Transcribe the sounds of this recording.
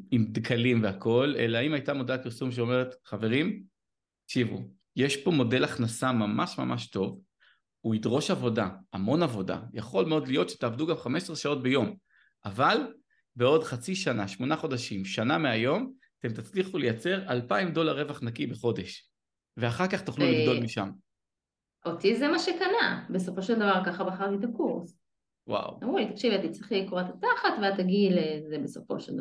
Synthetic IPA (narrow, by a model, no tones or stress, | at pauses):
imd̪kʰalimveako̞le̞̰laaimajtamodapiʁsumʃ̬eo̞meʁet̪χave̞ʁim | akʃivṵ | jeʃpo̞mo̞de̞laχnasamamaʃma̰maʃto̞v | uidʁo̞ʃavo̞daamo̞navo̞da̰jaχo̞lmeo̞dlijo̞t̪ʃe̥taːvduɡamχameʃsʁeʃao̞t̚bejo̞m | ʔaval | beo̞dχat͡siʃanaʃmo̞naχo̞daʃimʃanameajo̞m | at̪e̞mt̪at͡sliχule̞jat͡se̞ʁalpaimd̪o̞laʁːevaχnakibeχo̞de̞ʃ | ve̞aχaʁkaχt̪uχluliɡdo̞lmiʃa̰m | ʔot̪izemaʃekanabeso̞fo̞ʃeld̪avaʁkaχabeaχaʁtit̪akuʁs | wa̰wamulit̪akʃivat̪it͡sʁiχlajikoʁat̪at̪aχat̪veat̪ːaɡilezebeso̞̰fo̞̰ʃeld